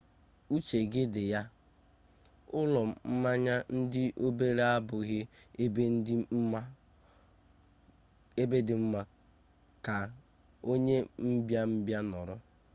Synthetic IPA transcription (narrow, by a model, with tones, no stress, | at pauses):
u˦t͡ʃe˨ɡɪ˦dɪ˨ja˦ | ʊ˦lɔ˨m̩˦ma˦ɲa˦n̩˦dɪ˦ʔo˦be˦ɾe˦a˦bʊ˨ɣɪ˦e˦be˦n̩˦dɪ˦m̩˦ma˦ | e˦be˦dɪ˨m̩˦ma˦ | ka˨ | o˦ɲe˦m̩˦bja˦m̩˦bja˦nɔ˨ɾʊ˦